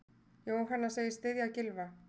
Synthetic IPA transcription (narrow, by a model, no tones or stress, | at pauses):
joːwɦanːaseːɣjɪst̪ɪðjawcɪlva